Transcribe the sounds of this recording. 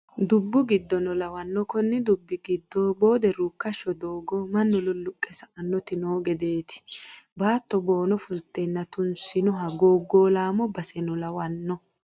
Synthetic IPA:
d̪ʊbːʊɡɪd̪ːɔnɔlɐwɐnːɔkɔnːɛd̪ʊbːɪɡɪd̪ːoːbo̞ːd̪ɛɾukːɐʃːɔd̪oːɡɔmɐnːɔlʊlːʊkʼːɛsɐʔɐnːɔt̪ɪnoːɡɛd̪eːt̪ɪ̥baːt̪ːɔboːnɔfʊlt̪ːenːɐt̪ʊnsɪnɔɦɐɡoːɡːoːlaːmɔbɐsɛnɔlɐwɐnːɔ

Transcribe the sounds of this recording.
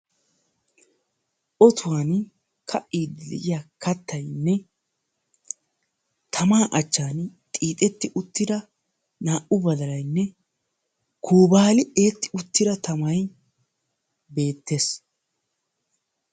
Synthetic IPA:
ʔɔt̪ʊwaːn | kʰɐʔiːd̪ɛlɛ̰ʔɪjaːkʰɐt̪ːɐjnːɛ | t̪ʰɐmaːʔɐt͡ʃːaːnt̪ʼiːt̪ʼɛt̪ːɪʔʊt̪ːɪd̪ɐ | naːʔʊbɐd̪ɐlɐjnːɛ | kʰuːbaːlɪe̞ːt̪ːɪ̥ʊt̪ːɪd̪ɐt̪ɐmɐj | be̞ːt̪ːe̞s

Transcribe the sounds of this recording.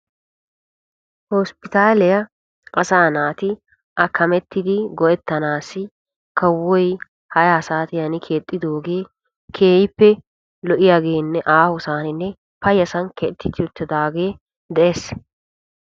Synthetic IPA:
hɔspɪt̪aːlɛjɐ | ʔɐsaːnaːt̪ɪ | ʔɐkʰːɐmɛt̪ːɪd̪ɪɡɔʔɛt̪ːɐnaːsɪ | kɐwːɔj | hɐjaːsaːt̪ɪjɐnɪkʰe̞ːt̪ʼːɪd̪o̞ːɡe̞ː | kʰeːjɪpːɛ | lɔʔɪjaːɡeːnːɛʔaːhɔsaːnɪnːɛ | pɐjɐsɐnkɛt̪ːɪt̪ːɪjɔt̪ːɪd̪aːɡe̞ː | d̪ɛʔes

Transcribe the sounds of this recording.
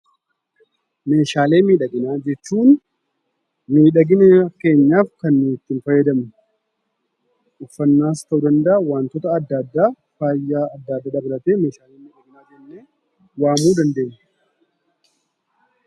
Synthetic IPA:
me̞ːʃaːle̞ːmiːᶑɐɡɪnaːd͡ʒɛt͡ʃːuːn | miːᶑɐɡɪnɛke̞ːɲːaːfkɐnːɪt̪ːɪnfɐjːɛd̪ɐm | ʔʊfːɐnːaːst̪ɐʔuːd̪ɐnd̪ɐʔwaːnt̪ɔt̪ɐɐd̪ːad̪ːaː | faːjːaːɐd̪ːaːd̪ːaːd̪ɐbɪɾɐt̪eːme̞ːʃaːleːmiːᶑɐɡɪnaːd͡ʒɛnːeː | waːmuːd̪ɐnd̪e̞ːɲːɐ

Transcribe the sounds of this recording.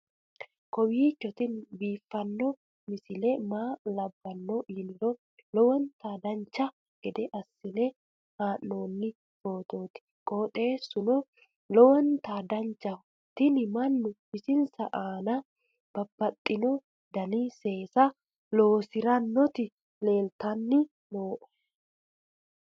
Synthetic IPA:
kɔwiːt͡ʃːɔt̪ɪnbiːfːɐnːɔ | mɪsɪlɛmaːlɐbːɐnːɔʔɪnɪɾɔ | lɔwɔnt̪aːd̪ɐnt͡ʃːɐ | ɡ̥ɛd̪ɛʔɐsːɪlɛ | haːʔːo̞ːnːɪ | fo̞ːt̪o̞ːt̪ɪ̥ | kʼoːt̪ʼe̞ːsʊnɔ | lɔwɔnt̪aːd̪ɐnt͡ʃːɐ | t̪ɪnɪmɐnːʊɪsɪnsɐʔaːnɐ | b̥ɐbːɐt̪ʼːɪnɔ | d̪ɐniːse̞ːsɐ | loːsɪɾɐnːɔt̪ɪ | le̞ːlt̪ɐnːɪ | noːʔɔ̥

